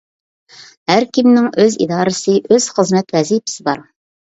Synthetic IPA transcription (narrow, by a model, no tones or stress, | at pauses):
hæɾkʲʰimnɪŋøzḭd̪ɑːɾɨsɨʔøz̥χəzmɛt̪wɛzipɪ̥sɪbɑɾ